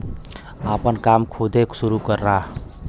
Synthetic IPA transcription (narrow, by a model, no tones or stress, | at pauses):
apənkamkʰud̪ʱeksuɾukəɾːaɦ